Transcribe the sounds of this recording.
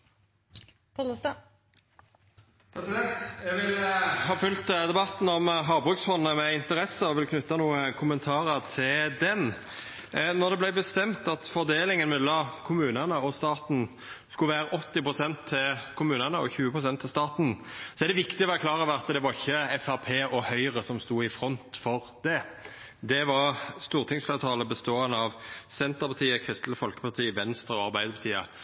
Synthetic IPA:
plst̪ | jɛʋɪlɦɑːfʉlt̪d̪ɛbɑt̪n̩ɔmɦɑːbʁʉːksfɔnːnəmɛɪnt̪əɾɛsəɔʋɪlkʰnʉt̪ːɑnuːəkʰʊmənt̪ʰɑːɾət̪ʰɪld̪ɛn | nɔd̪ɛblæɪbəst̪ɛmt̪ɑt̪fɔʁd̪eːlɪŋənmɛlːɑmkʰʊmʉːnənəɔst̪ɑːt̪n̩ | skʉʋæːɾəʔɔt̪ːɪpʁʊsɛnt̪ʰːɪlkʰʊmʉːnənəɔ̰çʉːəpʰʁʊsɛnt̪ʰːɪlst̪ɑːt̪n̩sɔɛd̪ɛʋɪkt̪ɪɔʋɛklɑːʁəʋæɑt̪ːd̪ɛʋɑɾɪçːəɛfɑpʰeːʔɔhœʏʁəsɔmst̪uːɪfɾɔnt̪fɔʁd̪ɛ | d̪ɛʋɑʁst̪uːʁt̪ʰɪŋsfleːt̪ʰɑːləbəst̪oːənəɑʋsɛnt̪əʁpʰɑt̪ʰiːəkʰʁɪst̪l̩əfɔlkə̥pɑʁt̪ʰiːʋɛnst̪ɾəɔɑɾbæɪd̪əpɑt̪ʰiːə̰

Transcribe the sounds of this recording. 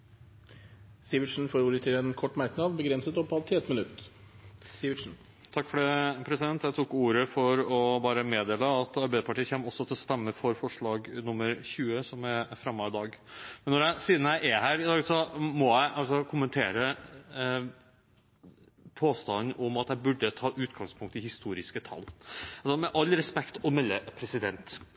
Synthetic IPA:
siːʋɪʂn̩foːɾuːɾət̪ʰɪlɛnkʰɔʈːmæɾknɑːd̪bəɡɾɛnsət̪ɔpːɑt̪ʰɪɛt̪mɪnʉt̪ː | siʂn̩ | t̪ʰɑkːfɔɖ̪eːpʰɾɛsɪd̪ɛnt̪jæɪt̪ʰuːkuːɾəfɔɾɔbɑːɾəmeːd̪eːləɑt̪ɑɾbæɪəpɑʈiːəçɛmːɔsːɔt̪ʰɪlst̪ɛmːəfɔɾfɔʂɭɑːɡnʊmːəɾçʉːəsɔmæfɾɑmːɑɪd̪ɑːɡmɛnːɔɾjæɪsiːd̪n̩jæɪʔɛhæːɾɪd̪ɑːɡsɔmɔjæɪʔɑlsɔkʰʊmənt̪ʰeːɾə | pʰoːst̪ɑnːʔɔmɑt̪jæɪbʉɖːət̪ʰɑːʔʉːt̪ɡɑŋspʰʊŋkt̪ɪhɪst̪uːɾɪskət̪ʰɑ̰lːɑlsɔmɛʔɑlːɾɛspɛkt̪ɔmɛlːəpʰɾɛsɪd̪ɛnt̪

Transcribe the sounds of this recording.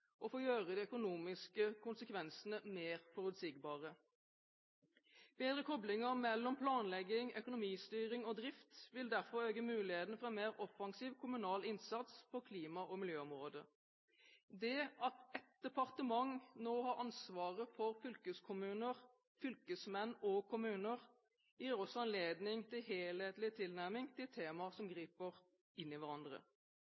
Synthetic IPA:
ʔɔfoːjøːʁəd̪ɛœkʊnuːmɪskəkʰʊnsəkʰʋɛnsənəmeːʁfɔʁʉt̪siɡbɑːʁə | b̥eːd̪ʁəkʰɔblɪŋəʁmɛlːɔmpʰlɑːnlɛɡɪŋœkʊnʊmiːst̪yːʁɪŋoːd̪ʁɪft̪ʋɪld̪æʁfɔɾøːɡəmʉːlɪheːt̪n̩fɔʁɛnmeːʁɔfɑŋsiːʋkʰʊmʉnɑːlɪnsɑt̪spɔkʰliːmɑʔɔmɪljøːɔmʁoːd̪ə | d̪ɛɑt̪ɛt̪̚d̪̥ɛpɑʁt̪əmɑŋnoːhɑɾʔɑnsʋɑːʁəfɔɾfʏlkəskʰʊmʉːnəʁ | fʏlkəsmɛnːɔkʰʊmʉːnəʁ | jiːɾɔsɔɑnleːd̪nɪŋt̪ʰɪlɦeːleːt̪lɪt̪ʰɪlnæʁmɪŋt̪ʰɪt̪ʰeːmɑsɔmɡʁiːpəʁ | ɪnːɪʋæɾʁɑnd̪ʁə̰

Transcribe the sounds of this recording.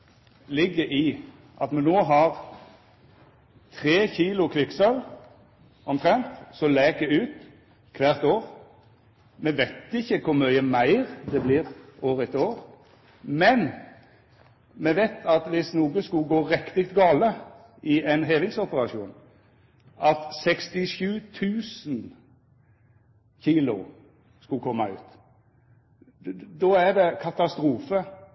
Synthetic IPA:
lɪɡːəɪ | ʔɑt̪mɛnoːɦɑʁ | t̪ʰʁeːçiːlʊkʰlɪksœl | ɔmt̪ʰʁɛnt̪sɔlɛːk̪ɛʉːt̪ | kʰʋæːʁt̪oːʁ | mɛʋɛɪt̪ɪçːəkʰʊɾmœʏəmæɪʁd̪ɛbliːʁoːʁət̪oːʁ | mɛn | mɛʋɛɪt̪ʰɑt̪ʋɪsnuːɡəskʉɡoːɾɛkt̪ɪk̚t̪ɡɑːlə | ɪɛnɦeːʋɪŋsɔpəɾɑʃuːn | ʔɑt̪sɛkst̪ɪʃʉːt̪ʰʉːsn | çiːlʊ̰ | skʉkʰɔmːɑʉ̰ːt̪ | d̪ɔæd̪ɛkʰɑt̪ɑst̪ɾuːfə

